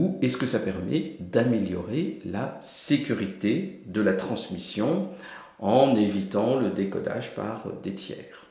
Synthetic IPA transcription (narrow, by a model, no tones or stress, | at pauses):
uɛskəsapɛʁmɛd̪ameljɔʁelasekʲyʁit̪ed̪əlat̪χɑ̃smisjɔ̃ | ɑ̃nevit̪ɑ̃ləd̪ekɔ̰d̪a̰ʒpa̰ʁd̪et̪jɛ̰ːʁ